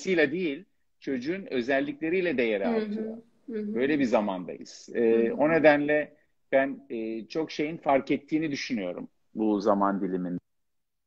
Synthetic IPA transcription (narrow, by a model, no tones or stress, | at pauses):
sɯjlʲad̪ejilʲ | t͡ʃʰo̞d͡ʒuunø̞zɛlʲːiclʲe̞ɾijlʲɛd̪ejeɾɛat̪ʰɯjo | bø̞jlʲɛbizamand̪a̰jɯ̰z̥ɛːo̞ne̞d̪ænlʲɛ | b̥ænːt͡ʃʰo̞kʃe̞jinfaɾkɛt̪ʰːiːnid̪yʃynyjo̞̰ɾṵm | buzamand̪ilʲimind̪ɛ